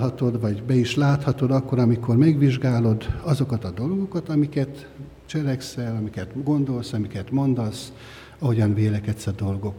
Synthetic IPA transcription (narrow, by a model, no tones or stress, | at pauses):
hɒt̪o̞d̪ʋɒɟbɛiʃlaːt̪hɒt̪o̞d̪ɒkːo̞ɾɒmiko̞rmɛɡʋiʒɡaːlo̞d̪ɒzo̞kɒt̪ɒd̪o̞lɡo̞kɒt̪ɒmikɛt̪ | t͡ʃɛlɛksɛlɒmikɛt̪ɡo̞nd̪o̞lsɒmikɛt̪mo̞nd̪ɒs | ɒɦo̞ɟɒnveːlɛkɛt̪sɒd̪o̞lɡo̞k